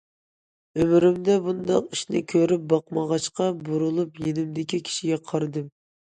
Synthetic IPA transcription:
ømɾymd̪ɛbund̪ɑqiʃnɪ̰kʲʰøɾyp̚bɑqmɑʁɑʃqɑbuɾulˠupjenɪmd̪ɪkʲikʲʰi̥ʃiɡʲɛqʰɑɾɨd̪ɨm

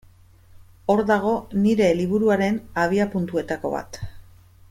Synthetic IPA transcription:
o̞ɾðaɣ̞o̞niɾe̞liβ̞uɾuaɾe̞naβ̞iapunt̪ue̞t̪ako̞̰βa̰t̪

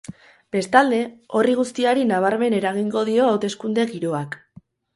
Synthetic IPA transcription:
b̥e̞st̪ald̪e̞o̞riɣ̞ust̪iaɾinaβ̞aɾme̞ne̞ɾaɣ̞iŋɡo̞ð̞io̞awt̪e̞skund̪e̞ɣiɾo̞ak

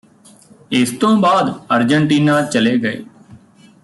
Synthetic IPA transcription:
ɪst̪õːbaːd̪əɾd͡ʒəɳʈiːnãːt͡ʃəleːɡəḛː

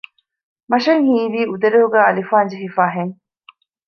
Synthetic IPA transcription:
mɐʃɐŋhiːʋiːud̪ɐɾeɦuɡæːɐlifaːnd͡ʒeɦifaːɦeŋ

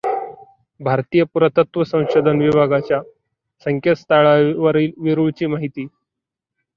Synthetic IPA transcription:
bʱaɾt̪ijəpuɾət̪ət̪ʋəsə̃w̃ɕod̪ʱənʋibʱaɡat͡ɕja | səŋkʰət̪st̪aɭaʋəɾiːlʋiɾuɭt͡ɕiːmaɦit̪iː

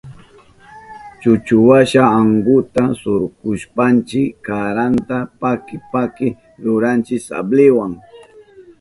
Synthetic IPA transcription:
t͡ʃʊt͡ʃʊwaʃaːŋɡʊt̪asʊɾkʊʃpant͡ʃɪkːaɾant̪apakɪpakɪ | ɾʊɾant͡ʃɪsa̰blɪwaŋ

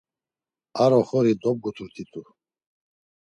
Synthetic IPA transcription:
aɾɔχɔɾid̪ɔb̚ɡut̪ʰuɾt̪ʰit̪ʰʼu

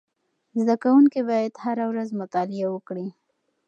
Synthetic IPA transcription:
zd̪akawuŋkibɑjad̪haɾawɾazmʊt̪ɑlɪawəkɽi

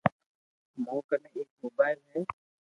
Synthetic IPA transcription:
moːkəneːk̚moːbaːɪlɦɛː

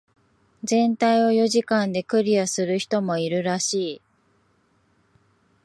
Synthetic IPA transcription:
d͡zẽ̞nt̪aio̞jo̞ʑikãnd̪e̞kɯ̟ɾʲiasɨɾɯ̟çi̥t̪o̞mo̞iɾɯ̟ɾaɕiː

